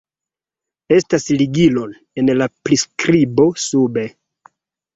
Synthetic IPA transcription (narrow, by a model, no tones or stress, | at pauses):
e̞stasliɡilo̞n | e̞nlapɾiskɾibo̞sube̞